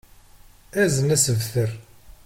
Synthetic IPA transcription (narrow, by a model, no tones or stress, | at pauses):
æzənæsəvθəɾ